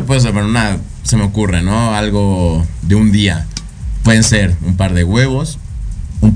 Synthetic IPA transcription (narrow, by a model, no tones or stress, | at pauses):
pwe̞ðes̬aβeɾuna | se̞me̞o̞kureno̞alɣo̞ðe̞und̪ia | pwe̞ðe̞nse̞ɾumpaɾðe̞ɣwe̞βo̞s | um